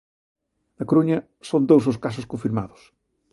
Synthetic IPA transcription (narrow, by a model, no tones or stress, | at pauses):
nɐkoɾuɲɐ | sõnd̪owzoskasʊskõɱfiɾmaðʊ̥s